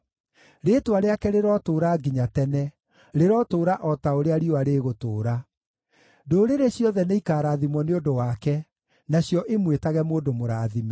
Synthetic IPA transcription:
ɾeːtowaɾeakɛɾeɾɔtoːɾaɡiɲatɛnɛ | ɾeɾɔtoːɾaʔɔtaoɾeaɾioaɾeːɣotoːɾa | doːɾeɾeɕjɔðɛneikaːɾaðimwɔneodowaːkɛ | naɕjɔʔemwetaɣɛmoːdomoɾaːðima

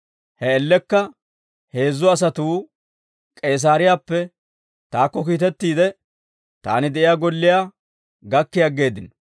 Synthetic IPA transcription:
hɛɛlːɛkːɐ | he̞ːzːɔɐs̬ɐt̪uː | kʼeːs̬aːɾɪjaːpːɛ | t̪aːkːɔkiːt̪̬ɛt̪ːiːd̪ɛ | t̪a̰ːnɪd̪ɛʔɪjaːɡɔlːɪjaː | ɡɐkːɪjɐɡːe̞ːd̪ɪn

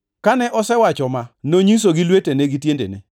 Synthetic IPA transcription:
kanɛʔɔsɛwat͡ʃɔmanoɲis̬oɡɪlweteneɡitjendḛnɛ̰

